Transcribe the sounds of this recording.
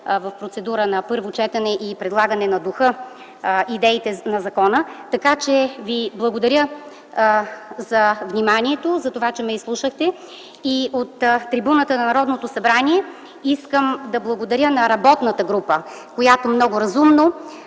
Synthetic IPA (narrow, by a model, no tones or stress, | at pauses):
vɐfpɾot̪sɛd̪uɾənɐpɤɾvot͡ʃɛt̪ɐnɛʔipɾɛd̪lˠaɡənɛnɐd̪uxɤ | ʔid̪ɛit̪ɛnɐzɐkɔnət̪ɐkat͡ʃɛviblˠɐɡod̪ɐɾʲjə | zɐvnʲimaniɛt̪ozɐt̪ovat͡ʃɛmɛislˠuʃəxt̪ɛ | iot̪ːɾibunət̪ənɐnɐɾɔd̪not̪osɐbɾaniɛ | iskəmd̪ɐblˠɐɡod̪ɐɾʲjənɐɾɐbɔt̪nət̪əɡɾupə | kojat̪omnɔɡʊɾɐzumno